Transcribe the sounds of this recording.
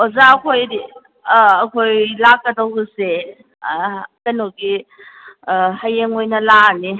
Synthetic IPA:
ozakʰojdi | ɐkʰojlakːədɐwɡuse | tɐnoɡi | hajeŋojnɐlani

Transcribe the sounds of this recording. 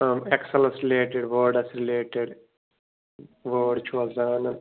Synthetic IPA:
mɛksɐlɐsɾileːʈeɖʋəːɖɐsɾileːʈeɖ | ʋəːɖt͡ʃuʋɐzaːnɐn

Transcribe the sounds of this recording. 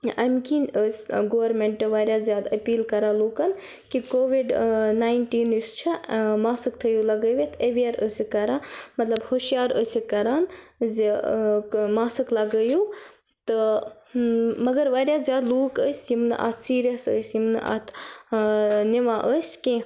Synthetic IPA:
ɐmkinəːsʲɡoːʋɐɾmeɳʈːɐʋaːɾjaːzjaːd̪ɐpiːlkɐɾaːloːkɐn | kikoːʋiɖnaːjnʈiːnəst͡ʃʰimaːsɨkt̪ʰəjulɐɡəːʋet̪ʰeʋijɐɾəːsikɐɾãːmɐt̪lɐbhoːʃijaːɾəːsʲikɐɾaːnz | maːsɨklɐɡəjuː | t̪ɨ | mɐɡɐɾʋaːɾjaːzjaːd̪loːkəsʲjimnɨ̰ʔa̰t̪ʰsiːɾijɐsə̰simnɨ̰ʔa̰t̪ʰ | niʋãːʔəsʲkẽ

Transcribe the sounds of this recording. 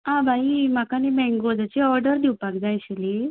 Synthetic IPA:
ãbʱaimakanibɛ̃ŋɡod͡zat͡ɕiɔɾɖəɾd̪iwpakd͡zajɕili

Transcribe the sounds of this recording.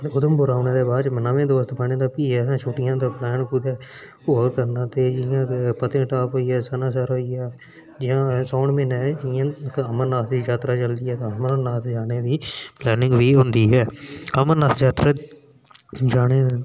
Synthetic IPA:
ʊd̪əmbʊɾaːʊnẽːd̪eːbaːd͡ʒmnaːʋẽːd̪oːst̪bənẽːd̪aːpiːɛːɦãːt͡ʃʰʊʈɪjãːt̪eːplɛːnkud̪ɛː | ʊəɾkənãːt̪eːd͡ʒɪjãːkpət̪ẽːʈaːpɦoːiːɛːsənãːsəɾoːiɛː | d͡ʒɪjãːsɔːɳmẽːnɛːd͡ʒɪãːəməɾnaːt̪ʰd̪iːd͡ʒaːt̪ɾaːt͡ʃəld̪iːɛːt̪ãəməɾnaːt̪ʰd͡ʒaːneːd̪iːplɛːnɪ̃ŋɡʋiːɦʊ̃nd̪iːɦɛːəməɾnaːt̪d͡ʒaːt̪ɾaː | d͡ʒaːneː

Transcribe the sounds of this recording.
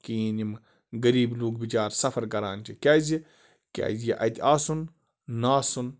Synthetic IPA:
kiːnim | ɡɐɾiːbluːɡ̚bit͡ʃaːɾsɐfɐɾkɐɾaːnt͡ʃʰikʲaːzi | kʲa̰ːzjiʔɐ̰t̪ʲaːsunː | aːsun

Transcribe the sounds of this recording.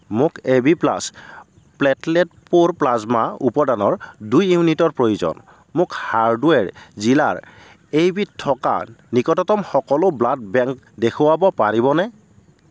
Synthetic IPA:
mʊkebipla̰s | plɛtlɛt̚poɹplazmaupɔdanɔɹdujːuunitɔɹpɹojuzɔ̰n | mʊkhaɹdwɛɹzila̰ɹ | ejbitʰːɔka̰nikɔtɔtɔmxɔkɔlʊblad̚bɛŋk | dekʰʊwabɔpaɹibɔnɛ

